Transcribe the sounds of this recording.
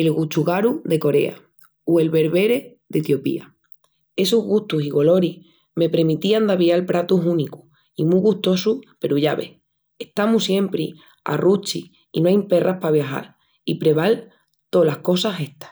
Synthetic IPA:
e̞lɣut͡ʃuɣaɾuðe̞ko̞ɾe̞̰a̰ | ue̞lβe̞ɾβe̞ɾe̞ | ðet̪jo̞pḭa̰ | e̞suɦɣuht̪usiɣo̞lo̞ɾi | me̞pɾemit̪iand̪aβialpɾat̪usuniku̥ | imuɣuht̪o̞supe̞ɾuʝaβe̞̰h | eht̪amusje̞mpɾi | a̰rut͡ʃiː | noajmpe̞rahpaβ̞jaxa̰ɾ | ipɾe̞β̞al | t̪o̞lahko̞sase̞ht̪ḁs

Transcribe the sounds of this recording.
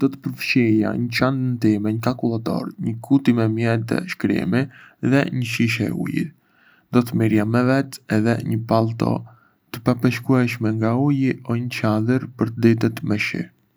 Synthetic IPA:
d̪̥ɔt̪ə̥pəɾfʃija̰ɲət͡ʃand̪ənt̪imɛɲəkakulˠat̪ɔ̰ɾɲəkʰut̪imɛmjɛt̪ɛ̰ʃkɾḭmiðɛɲəʃiʃɛ̰ṵjḭ | d̪ɔt̪əmiɾjamɛvɛt̪ɛðɛ̰ɲəpalˠt̪ɔ̰ | t̪ə̥papəʃkuɛʃmɛŋɡaujiɔɲət͡ʃad̪əɾpəɾt̪əd̪it̪ət̪mɛʃḭ

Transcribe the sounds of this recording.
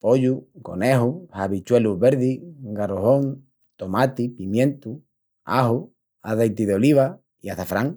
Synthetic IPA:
poʎuko̞̰neɦuhaβit͡ʃweluβeɾðiɡaɾohoŋ | t̪omat̪ipimjẽnt̪u | a̰hu | aðejt̪iðeoliβ̞a | iaθafɾaŋ

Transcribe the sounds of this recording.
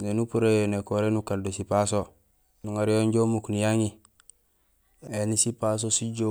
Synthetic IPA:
nenupuɾejenekoɾenukaldosipaso | nuŋaɾijonɟomuknijaŋi | enisipas̬osiɟo

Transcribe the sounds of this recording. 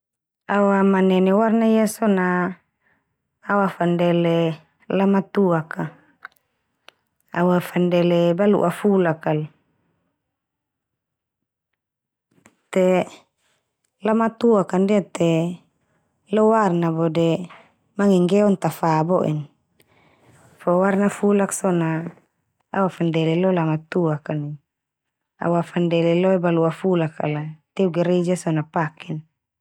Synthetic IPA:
awamanɛnɛwarnaijasɔna | wafandɛlɛ | lamat̪uaka | awafandɛlɛbalṵʔafulakal | t̪ɛ | lamat̪uakandiat̪ɛ | lɔwarnabɔdɛ | maŋɛŋɡɛɔnt̪afabɔʔḭn | fɔwarnafulaksɔnaː | wafandɛlɛlɔlamat̪uakani | a̰wafandɛlɛlɔɛbaluafulaka̰lat̪ɛuɡɛɾɛd͡ʒasɔnapakin

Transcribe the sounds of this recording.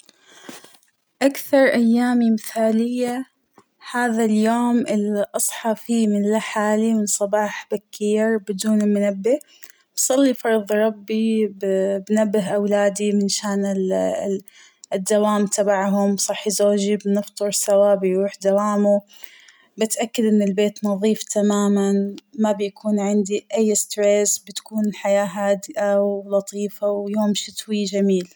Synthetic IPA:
ʔakθɑɾˤʔajːaːmimɪθaːlɪjːa | haːðaljoːmɪlʔɑsˤħɑfimɪnlaħaːlimɪnsˤɑbɑːħb̥akːiːɾbɪd̪uːnɪlmʊnabːɪh | bsˤɑlːifɑɾˤðˤɾˤɑbːibbnabːɪɦʔawlaːd̪imɪnʃaːnɪl | ɪd̪ːawaːmt̪abaʕɦʊmsˤɑħːzoːd͡ʒibnɨft̪ˤɨɾsawaːbɪjɾuːħd̪awaːmu | bɪt̪ʔakːad̪ʔɪnːɪlbeːt̪nɑðˤiːft̪ʰamaːmanmabjakʰuːnʕɪnd̪iʔajːst̪ɾesbɪt̪kuːnħajaːɦaːd̪ɪʔawlɑt̪ˤiːfawjoːmʃɪt̪wid͡ʒamiːl

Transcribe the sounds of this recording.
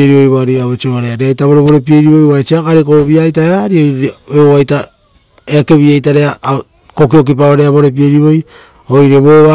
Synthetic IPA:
eɾiβojβoaɾiaβot͡ʃioaɾeaɾeajtaβo̞ɾeβo̞ɾe̞pieɾiβo̞jaet͡ʃiakaɾekoβiajtaeaɾioeβoβajta | eake̞βiajtaɾe̞a | kokiok̬ip̬aoɾeaβo̞ɾe̞p̬ie̞ɾiβo̞j | ojɾeβoβa

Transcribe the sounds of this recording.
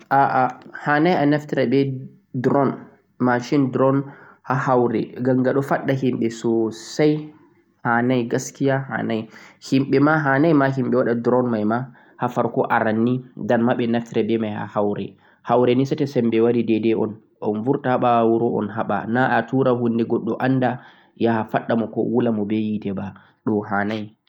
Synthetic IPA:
ʔaʔahaːnajanɛftɾɛbɛ | dɾɔn | maʃindɾɔn | hahawɾɛ̰ɡamɡaɗɔfaɗːaɦimɓɛsɔsaj | hanajɡaskijaha̰ːnajhimɓɛmaɦaːnajmaɦimɓɛwaɗadɾɔnmajma | hafaɾkɔʔaɾanːidanmaɓɛnaftiɾɛbɛmajha̰hawɾɛ̰ | hawɾɛnisatɛsɛmbɛwaɾidɛdɛɔ̰n | ʔɔnvuɾtahaɓawuɾɔʔɔ̰nɦaɓa̰naʔatuɾaɦunːdɛɡɔɗːɔʔanːda | jahafaɗːamɔkɔ̰wulamɔbɛjitɛba | ɗɔɦanaj

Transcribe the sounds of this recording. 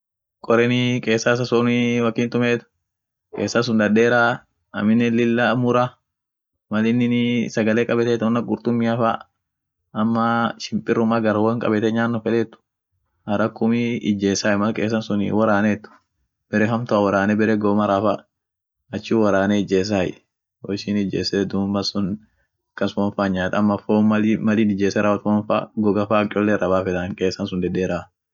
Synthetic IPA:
kʼɔɾɛnɪkʼe̞ːsːas̬ɐsoːniwɐkːɪːnt̪ʊmeːt̪ʊ̥ | kʼeːsːɐns̬ʊnd̪ɐdeːɾa | ɐ̰mɪnːɛlɪlːamʊɾɐ | mɐlɪnːɪnɪsɐɡɐleːkʼɐbɛt̪ɛːt̪ɔnːɐɡʊɾt̪ʊmːɪɐfa | ɐmːɐʃɪmpʼɪrːʊmaɡɐɾwɐŋkʼɐ̰bɛt̪ɛɲaːnːɔfɛᶑ̪ɛt̪ːʊ̥ | hɐɾɐkːʊmɪɪd͡ʒːeːsaːjmɐlkʼeːs̬ːɐnsʊnɪ̰wɐɾaːneːt̪ːʊ̥ | b̥ɛɾɛɦɐmt̪ʊawɐɾaːnɛbɛɾɛɡoːmɐɾafa | ɐt͡ʃːuːwɐɾaːneɪd͡ʒeːs̬aːj | wɔʃɪnɪd͡ʒḛːsed̪ʊmbɐsʊn | kɐsfɔnfaɲːaːt̪ɐmːɐfoːɐlmɐliːnɪd͡ʒeːsɛɾʔɐwɐt̪ɔːnfa̰ːɡɔɡɐfaːkʼɔlːɛɾʔɐbaːfɛd̪ɐnkʼeːsːɐnsʊnd̪ɛd̪eɾaː

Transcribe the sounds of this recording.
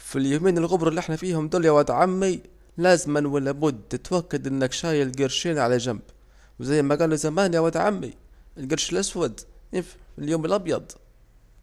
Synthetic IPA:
filjumiːnɪlɣʊbɾˤɑliʔɪħnafiːhʊmd̪uːljawaːd̪ʕamːi | læːzmanwalːabʊd̪ːɪt̪wakːad̪ʔɪnːɪkʃaːjalɡɪɾʃiːnʕalæʒamb | wzajːɪmaɡaːluzamaːnjawaːd̪ʕa̰mːḭɪlɡɑɾˤʃɪlʔaswad̪ | iljuːmɪlʔɑbjɑd̪ˤ

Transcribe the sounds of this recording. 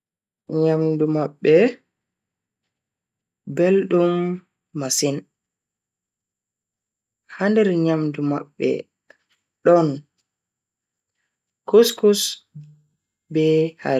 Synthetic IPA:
ɲamdumaɓːɛ | belɗumː | asin | handɛɾɲamduma̰ɓːɛ̰ | ɗɔn | kuskus | bɛha

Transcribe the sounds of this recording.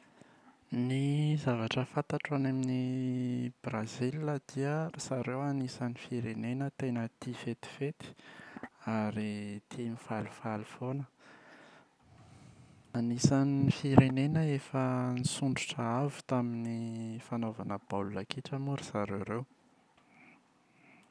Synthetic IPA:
nizavaʈ͡ʂəfat̪aʈ͡ʂanamini | b̥razillad̪̥iərisaɾewanisanifiɾenenət̪enət̪ifet̪i̥fet̪i̥ | aɾit̪ʰimifalifalifonə | anisanifiɾenenəefənisuɳɖ͡ʐuʈ͡ʂəavu̥t̪aminifanovanəb̥alulakiʈ͡ʂəmuɾisaɾewɾew

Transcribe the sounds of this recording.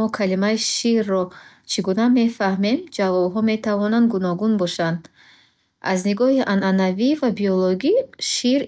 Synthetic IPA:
ɔkʰalimaiʃirːɔ | t͡ʃʰiɡuname̞fahme̞md͡ʒavɔbɦɔme̞t̪ʰavɔnand̪ɡunɔɡunbɔʃand̪ | azniɡɔhiʔananavivabiɔloɡiʃiɾ

